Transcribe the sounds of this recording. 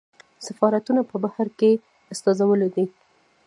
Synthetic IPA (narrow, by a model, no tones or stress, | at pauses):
safɑɾat̪unapəbahaɾke | ast̪ɑzawəled̪i